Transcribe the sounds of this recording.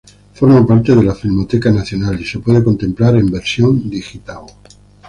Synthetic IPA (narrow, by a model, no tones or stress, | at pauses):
fo̞ɾmapaɾt̪eðe̞lafilmot̪ekanaθjonalise̞pwe̞ðeko̞nt̪e̞mplaɾe̞mbe̞ɾsjo̞nd̪ixit̪al